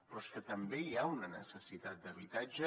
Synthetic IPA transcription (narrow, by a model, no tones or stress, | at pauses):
pɾɔskət̪əmbeiaunənəsəsit̪at̪̚d̪əβit̪ad͡ʒə